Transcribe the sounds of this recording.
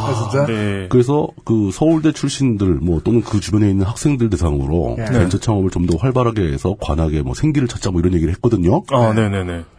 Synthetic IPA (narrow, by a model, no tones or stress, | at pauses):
at͡ɕʰit͡ɕakɯɾe̞s̬ʰʌkɯsʰʌuɭde̞t͡ɕʰuɭɕ͈indɯɭmwʌt͈onɯnkɯt͡ɕubjʌne̞inːɯnhak̚s͈e̞ŋdɯɭt̬e̞sʰaŋɯ̰ɾo̰went͡ɕʰat͡ɕʰaŋʌmɯɭt͡ɕomdʌɸwaɭbaɾɦaɡe̞̰ːsʰʌkwa̰nɦaɡe̞mʌsʰe̞ŋɡiɾɯɭt͡ɕʰat̚t͡ɕ͈amʌiɾʌnɲjeɡiɾɯɭɦet̚k͈ʌdɯɲoane̞ne̞ne̞